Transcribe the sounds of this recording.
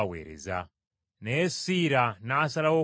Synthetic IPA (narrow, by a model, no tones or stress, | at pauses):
wɛ̰ɾɛ̰za | naɛsiɾanaːsalawɔ